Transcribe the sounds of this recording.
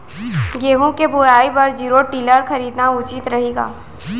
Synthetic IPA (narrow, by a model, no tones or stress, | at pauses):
ɡeːɦũkebojaːibɐɾd͡ʒiːɾoʈiːləɾxɐɾiːd̪naʊt͡ʃit̪ɾɐɦeːɡa̰ː